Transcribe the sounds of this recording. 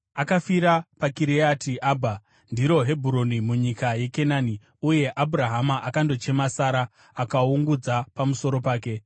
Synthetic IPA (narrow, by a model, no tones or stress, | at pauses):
akafiɾapakiɾiatʰiʔaːbʱa | ndiɾo̞ɦe̞bʱuɾonimuɲikaje̞kenaːni | uje̞ʔabʱuɾaɦamaʔakando̞t͡ʃe̞masaɾa | akauŋɡud͡zapamuso̞ɾo̞paːke̞